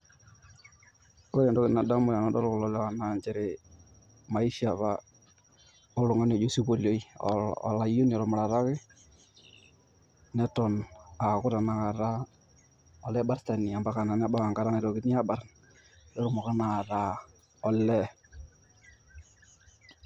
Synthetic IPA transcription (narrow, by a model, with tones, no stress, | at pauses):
o˦ɾɛ˨ndɔ˦ɣɪ˨na˨da˦mʊ˦ja˨nɔ˦dɔ˦ɾkʊ˨lɔ˨˦lɛ˦wa˨na˨ɲd͡ʒɛ˦ɾɪ˨ | ma˨i˦ʃa˨βa˦ | ʊ˦lʊ˨ŋa˦n˨ɔ˨d͡ʒo˦si˦ko˨lo˦ḭ˦˨la˨jo˦n˨ɔ˨ɾɔ˨mʊ˨ɾa˨ɾa˦kɪ˦ | nɛ˦tɔ˨na˨kʊ˦ɾa˨na˨ka˨ɾa˦ | ɔ˨lɛ˦ba˦ɾta˨ni˨a˨mba˦ka˨na˨n˦a˦ba˦ka˨ŋɡa˨ɾa˦nɛ˨ɾo˨kɪ˦ni˦a˦ba˨ɾ | dɔ˦ɾʊ˦˨mɔ˨ɣɛ˦na˨ɾa˨˦ | ɔ˨lɛ˦